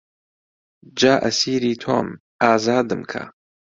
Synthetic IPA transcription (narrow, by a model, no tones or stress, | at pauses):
d͡ʒaːʔɐsiːɾiːt̪ʰo̰ːm | ʔaːzaːd̪ɨmkʰɐ̰